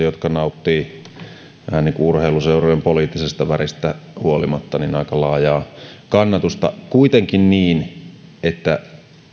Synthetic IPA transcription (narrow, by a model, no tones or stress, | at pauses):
jot̪kɑnɑut̪ːiː | ʋæ̰hæniːŋkuurheiluseurojempoliːˑt̪ːisest̪ɑʋærist̪æhuolimɑt̪ːɑninɑikɑlɑːjɑːkɑnːɑt̪ust̪ɑ̰kuit̪eŋkinniːnet̪ːæ